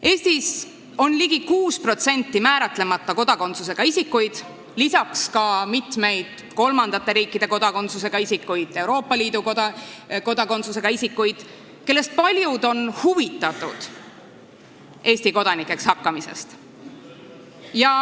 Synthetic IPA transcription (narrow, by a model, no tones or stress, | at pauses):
e̞ːst̪is | o̞nliɡ̥ikuːspro̞t̪se̞nʲt̪ːˑimæːɾɑt̪ˑle̞mɑt̪ːˑɑko̞d̪̥ɑko̞nt̪suse̞ɡ̥ɑisikːujd̪̥ | lisɑkskɑmit̪me̞jd̪̥ | ko̞lmɑnd̪̥ɑt̪ːˑe̞ɾiːkːˑid̪̥e̞ko̞d̪ɑko̞nt̪sus̬e̞ɡ̥ɑisikːujd̪̥e̞uɾo̞ːpˑːɑliːd̪uk̪ko̞d̪ɑko̞nt̪suse̞ɡ̥ɑisikːujd̪̥ | ke̞lːe̞st̪̚pɑlʲjud̪o̞nhuvit̪ːˑɑt̪ːˑud̪̥ | ʔe̞ːsʲt̪iko̞d̪̥ɑnikːˑe̞kshɑkːɑmise̞̰st̪ | jɑ